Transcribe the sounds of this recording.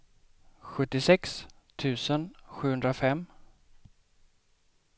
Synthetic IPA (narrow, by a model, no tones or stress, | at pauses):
ɧɵt̪ːɪsɛks | t̪ʰʉ̟ːsənɧʉ̟ːhɵnd̪ɾafɛmː